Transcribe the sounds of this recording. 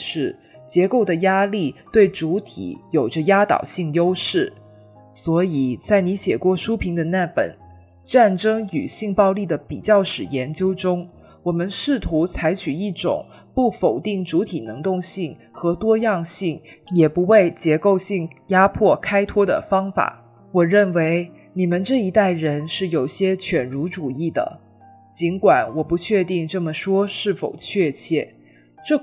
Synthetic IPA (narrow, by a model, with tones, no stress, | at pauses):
ʂɻ̩˥˩ | t͡ɕjɛ˧˥ko˥˩ʊd̪ə˩ja˥li˥˩t̪we˥˩ɪʈ͡ʂu˧˥t̪ʰḭ˨˥jo˨˩ʊʈ͡ʂə˦ja˥t̪ɑ̰˨˩ʊɕi˥˩ŋjo˥ʊʂɻ̩˥˩ | swɔ˧˥i˨˩t͡sa˥˩ɪni˧˥ɕjɛ˨˩kwɔ˥˩ʂu˥pʰi˧˥ŋd̪ə˧na˥˩pə̰˨˩˦n | ʈ͡ʂa˥˩nʈ͡ʂɤ˥ŋy˨˩ɕi˥˧ŋpɑ˥˧ʊli˥˩d̪ə˩pi˨˩t͡ɕjɑ˥˩ʊʂɻ̩˨˩jɛ˧˥nt͡ɕjo˥ʊʈ͡ʂʊ˥ŋ | wɔ˨˩mə˧˦nʂɻ̩˥˩t̪ʰu˧˥t͡sʰa˧˥ɪt͡ɕʰy˨˩i˥˩ʈ͡ʂʊ̰˨˩˦ŋ | pu˥˩fo˨˩ʊt̪i˥˩ŋʈ͡ʂu˧˥t̪ʰi˨˩nɤ˧˥ŋt̪ʊ˥˧ŋɕi˥˩ŋ | xɤ˧˥t̪wɔ˥jɑ˥˧ŋɕi˥˩ŋjɛ˨˩pu˧˥we˥˩ɪt͡ɕjɛ˧˥ko˥˧ʊɕi˥˩ŋja˥pʰwɔ˥˩kʰa˥ɪt̪ʰwɔ˥d̪ə̰˨fɑ˥ŋfa̰˨˩˦ | wɔ˨˩ɻə˥˩nwe˧˥ɪ | ni˨˩mə˦nʈ͡ʂɤ˥˩i˧˥t̪a˥˩ɪɻə˧˥nʂɻ̩˥˩jo˨˩ʊɕjɛ˥t͡ɕʰɥɛ˨˩nɻu˧˥ʈ͡ʂu˨˩i˥˩d̪ə̰˩ | t͡ɕi˧˥nkwa˨˩˦nwɔ˨˩pu˧˥t͡ɕʰɥɛ˥˧t̪i˥˧ŋʈ͡ʂɤ˥˩mə˩ʂwɔ˥ʂɻ̩˥˩fo̰˨˩ʊt͡ɕʰɥɛ˥˧t͡ɕʰjɛ˥˩ | ʈ͡ʂɤ˥˩